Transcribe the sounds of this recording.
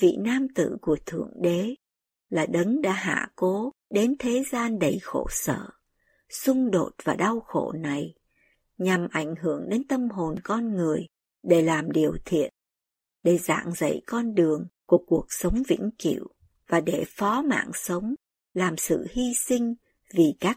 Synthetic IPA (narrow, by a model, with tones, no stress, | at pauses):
vḭ˧˨naː˧mt̪ɨ̰˧˨ku˧˩ət̪ʰɨ̰˧˩əŋɗe˨˦ | laː˨˩ɗə˨˦ŋɗa̰ː˧˥ɦa̰ː˧˩ko˨˦ɗe˨˦nt̪ʰe˨˦zaː˧nɗə˨˩jxo̰˧˩sə̰ː˧˨ | sʊ˧ŋ͡mɗo˨˩t̚vaː˨˩ɗa˧wxo̰˧˩na˨˩j | ɲa˨˩mʔa˧˩jŋ̟ɦɨ˧˩əŋɗe˨˦nt̪ə˧mɦo˨˩nkɔ˧nŋɨ˨˩əj | ɗe˧˩laː˨˩mɗi˨˩əwt̪ʰḭ˧˨ən | ɗe˧˩za̰ː˧˨ŋzə̰˧˨jkɔ˧nɗɨ˨˩əŋku˧˩əku˨˩ək̚sə˨˦wŋ͡mvḭ˧˥ŋkḭ˧˩əw | vaː˨˩ɗe˧˩fɔ˨˦ma̰ː˧˨ŋsə˨˦wŋ͡m | laː˨˩msɨ̰˧˨hi˧sï˧ŋ̟ | vi˨˩kaː˦˥k̚